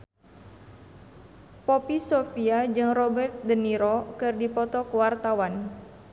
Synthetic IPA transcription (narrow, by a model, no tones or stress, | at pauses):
popisofiad͡ʒɨŋrɔbɛrt̪̚dəniɾokɨrdipɔt̪ɔkəwart̪awan